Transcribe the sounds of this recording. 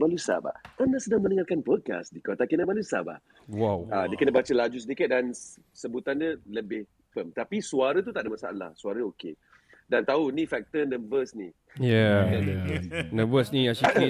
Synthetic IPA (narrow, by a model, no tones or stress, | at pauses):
balusa̰ba̰ənaʔsədaŋmənəŋarkanpɔd̚ka̰sdikɔt̪akənabalusa̰ba̰ʔ | wawadiəkənəbat͡ʃəlad͡ʒus̬ədikət̪̚dan | səbut̪andələbɪh | pəmt̪apisuaɾət̪̬ut̪aʔdəmasaa̰la̰hsuaɾəoke | dant̪aunĩfɛk̚t̪ənə̃vəsni | jɛəəsnə̃vəsniaʃi